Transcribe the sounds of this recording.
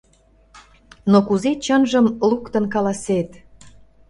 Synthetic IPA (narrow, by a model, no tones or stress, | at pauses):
nokuzet͡ɕənʒəmlukt̪ə̆nkɑlɑset̪